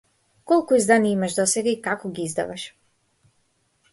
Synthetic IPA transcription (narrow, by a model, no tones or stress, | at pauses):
kɔlˠkuizd̪aniimaʒd̪ɔsɛɡaikakɔɡʲiizd̪a̰vaʃ